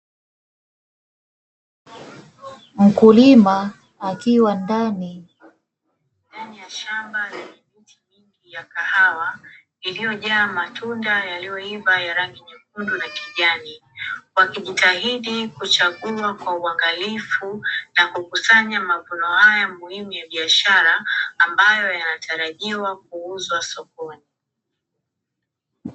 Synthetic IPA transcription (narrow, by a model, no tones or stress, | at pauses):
m̩kulimaː | kiwandani | ndanijaʃambazaɲimitʰiɲiŋɡijakahawa | ilijɔʄaːmatʰundajalijɔivajaɾaŋɡiɲik̚undunakiʄani | wakiʄitahiɗikut͡ʃaɠuakwauaŋɡalifunakukusaɲamavunɔhajamuhimujaɓiaʃaɾaːmbajɔjanatʰaɾaʄiwak̚uuzwasɔkɔni